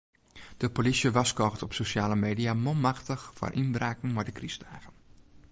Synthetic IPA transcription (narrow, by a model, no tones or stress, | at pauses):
d̥əpolisjəʋaskɔɣtɔpsoʃaːləmeːdiamɔlˠmaxtəxfa̰rʔinbraːkŋ̩maɹdəkristɛjɣən